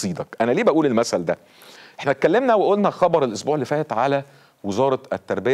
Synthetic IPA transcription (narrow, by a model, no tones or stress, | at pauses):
iːd̪ɑkʔænæliːbæʔuːlelmæsæld̪æ | ʔeħnæt̪̚kælːemnæweʔolnæxɑbɑɾˤelʔosbuːʕelːefæːhæt̪ʕalæ | wezɑːɾˤɑæt̪ːɑɾˤbej